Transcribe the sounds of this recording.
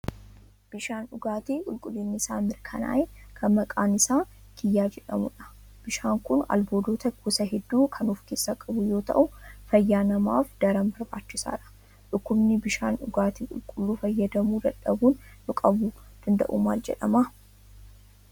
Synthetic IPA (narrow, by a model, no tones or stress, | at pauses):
b̥ɪʃaːnʊɡaːt̪iːkʼʊlkʼʊlːinːɪsaːmɪɾkʰɐna̰ːʔeːkʰɐnmɐkʼaːnɪsaː | kɪjːaːd͡ʒɛᶑɐmʊᶑɐ̥ | b̥ɪʃaːŋkʊnɐ̰lbo̞ːd̪o̞ːt̪ɐkʰʊsɐɦɛd̪ːuːkʰɐnuːfkeːsːaːkʼɐbʊjo̞ːt̪ɐ̰ʔʊfɐjːaːnɐma̰ːfd̪̥ɐɾɐmbɐɾbaːt͡ʃːɪsa̰ːᶑɐ̥ | ᶑʊkːʊbnɪbɪʃa̰ːnʊɡaːt̪iːkʼʊlkʼʊlːuːfɐjːɐd̪ɐmuːd̪ɐᶑɐbuːnː | ʊkʼɐbʊd̪̥ɐnd̪ɐ̰ʔṵːmaːld͡ʒɛᶑɐ̰ma